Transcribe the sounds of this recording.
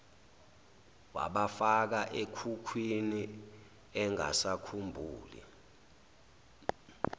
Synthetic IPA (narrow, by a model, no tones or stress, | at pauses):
wa̰ɓafak̬aʔekʰukʰwini | ɛŋa̰sakʰumbʱuːlḭ